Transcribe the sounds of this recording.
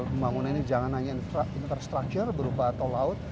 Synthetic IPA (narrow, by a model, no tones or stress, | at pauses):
ləmbaŋunaninid͡ʒaŋanhaɲanfɾaint̪ərst̪ɾak̚t͡ʃərbəɾubaat̪awlaʊt̪̚